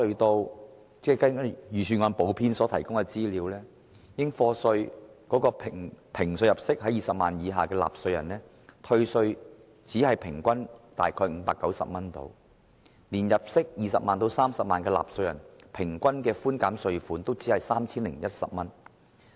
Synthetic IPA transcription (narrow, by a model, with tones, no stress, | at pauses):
ɵ˧t̪o˧w | t͡sɛː˥˩kɐ˥˨jyː˨˩sʰyː˨˩ŋɔː˨˧npo˨˥wpʰiː˥nsɔː˨˥t̪ʰɐ˨˩jkʊ˥ŋkɛ˧t͡siː˥liː˨˧wlɛː˥ | jɪ˥ŋfɔː˧sɵ˧ɥkɔː˨˥kɔː˧pʰɪ˨˩ŋpʰɪ˨˩ŋsɵ˧ɥjɐ˨p̚sɪ˥k̚ɦɐ˨˥jiː˨sɐ˨p̚ma̰ː˨njiː˨˧ɦaː˨kɛː˧la̰ː˨p̚sɵ˧ɥjɐ̰˨˩nlɛː˥ | t̪ʰɵ˧ɥsɵ˧ɥ | t͡siː˨˥hɐ˨jpʰɪ˨˩ŋkʷɐ˥nt̪aː˨˩jkʰɔː˧jŋ̩˨˧˥paː˧kːɐ˨˥wsɐ̰˨p̚mɐ˥nt̪o̰˧w | liː˨˩njɐ˨p̚sɪ˥k̚jiː˨˩sɐ̰˨p̚maː˨nt̪o˧wsaː˥msɐ˨p̚maː˨nkɛː˧la̰ː˨p̚sɵ˧ɥjɐ̰˨˩npʰɪ˨˩ŋkʷɐ˥nkɛː˧fuː˥nkaː˨˥msɵ˧ɥfuː˨˥nt̪o˥wt͡siː˨˥hɐ˨jsaː˥mt͡sʰiː˥nlɪ˨˩ŋjɐ˥t̚sɐ̰˨p̚mɐ˥n